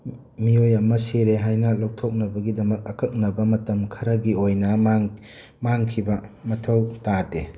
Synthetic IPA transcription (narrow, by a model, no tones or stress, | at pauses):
miojɐmɐseɾeɦajnɐlow̚tʰok̚nɐbɐɡidɐmɐk̚ɐkʰɐk̚nɐbɐmɐtɐmkʰɐɾɐɡiojnɐ | maŋkʰibɐmɐtʰɐwtate